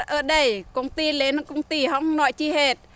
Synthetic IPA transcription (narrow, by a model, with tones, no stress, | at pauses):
ʔəː˧ɗə˧jko˧ŋt̪iː˧leː˧˨nɨ˧ŋko˧ŋt̪iː˧ɦɔ˧ŋno˧ʔt͡ɕi˧ɦeː˧t̪̚